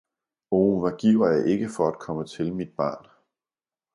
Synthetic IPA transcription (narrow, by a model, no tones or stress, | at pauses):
oːʋæɡ̥iʊɐjɑ̈ɪʔe̝ɡ̥əfɒ̽æd̥̚kʰɒ̽mət͡sʰe̝lmid̥̚b̥ɑ̈ːn